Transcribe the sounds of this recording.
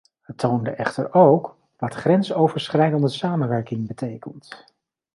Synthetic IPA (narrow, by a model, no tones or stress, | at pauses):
hətʰowndəʔɛχtə̰ɹowk | ʋɑtχrɛnsowvəɹsχrɛjdəndəsaːmənʋɛɹkɪŋbətejkənt